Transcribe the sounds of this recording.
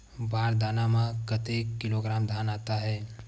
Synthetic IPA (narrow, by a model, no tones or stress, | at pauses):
baːɾd̪aːnamãkət̪ekːɪloɡɾaːmd̪ʱaːnaːt̪aɦɛː